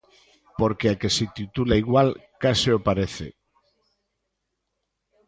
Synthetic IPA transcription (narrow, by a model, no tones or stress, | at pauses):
poɾkeakesit̪it̪ulaiɣwalkasiopaɾeθḛ